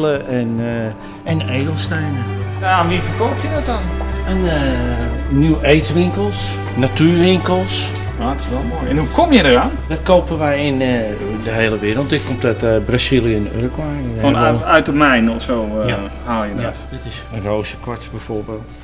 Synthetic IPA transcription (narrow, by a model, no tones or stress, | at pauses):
ləɛn | ɛnejdəlˠstɛjnənamiəfərkopədɔtan | ənə | nywejtʋɪŋkəlˠs | natyːrʋɪŋkəlˠs | aːtɪ̥sʋɛlˠmojɛnhukʰomjədəraːnd̥ɔt̚koːpənʋɛjɪn | dəɦeːlˠəʋːɾəl̩ˠt̚dɪt̚komtɔtbrasilˠjəɛnø̰rkwajonɛœɥtɔpmɛjnɔfsoːhalˠjədɔtdɪtɪsənroːsəkɔɹtbɛjforbeːlˠt